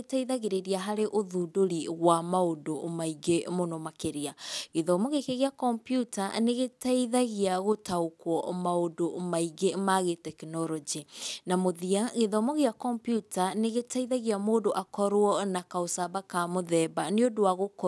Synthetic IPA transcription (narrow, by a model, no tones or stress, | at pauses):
etaiðaɣeɾeɾiaɦaɾeʔoðuːdoɾiɣwamaodomaiɡemonɔmakeɾiaɣeðɔmɔɣekeɣeakɔmpjutaneɣetaiðaɣiaɣotaokwɔmaodomaiɡemaɣetɛknɔɾɔd͡ʒinamoðiaɣeðɔmɔɣeakɔmpjutaneɣetaiðaɣiamoːdoʔakɔɾwɔnakaosabakamoðɛːbaneodoaɣokɔ